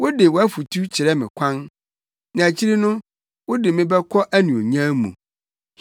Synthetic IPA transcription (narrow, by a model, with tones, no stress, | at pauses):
wʊ˦dɪ˨wɔ˨æ˦fu˨tʰu˦t͡ɕʰɪ˨ɾɛ˦mɪ̃˨kʷʰã˦n | nã˨æ˨t͡ɕʰi˦ɾi˦nʊ̃˦ | wʊ˦dɪ˨mɪ̃˦bɛ˦kʰɔ˦ʔæ˦nũ˨o˨ɲã˦mṵ̃˨